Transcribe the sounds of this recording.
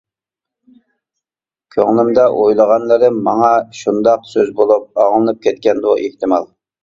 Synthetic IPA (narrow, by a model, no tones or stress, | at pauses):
kʲʰøŋlˠɪmd̪ɑʔojlˠəʁɑnlˠɨɾɨmmɑŋɑʃund̪ɑqsøzbolˠup̚ɑʁlˠɨnɨp̚kʲʰɛt̪̚kʲɛnd̪uʔeht̪ɪmɑ̰lˠ